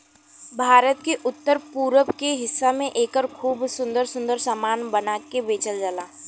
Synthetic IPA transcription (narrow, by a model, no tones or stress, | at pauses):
bʱaːɾət̪keʔʊt̪ːəɾpuːɾəbkeɦɪsːamẽʔeːkəɾkʰuːbsʊ̃nd̪əɾsʊ̃nd̪əɾsamaːnbənaːkebeːt͡ʃəld͡ʒəlaː